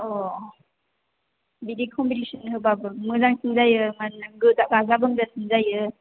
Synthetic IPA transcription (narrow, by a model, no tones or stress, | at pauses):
ɔ | bidikʰɔmbitisɔnhɯbabɯmɯzaŋsɯŋzajɯmanɡɯtakazabɯŋzasɯŋzajɯ